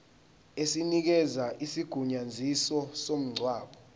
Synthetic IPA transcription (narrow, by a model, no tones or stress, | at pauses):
esinik̬ɛzaʔisiɡ̥ʱuɲand͡zʱisɔsom̩ŋ͡ǀʱwaːɓɔ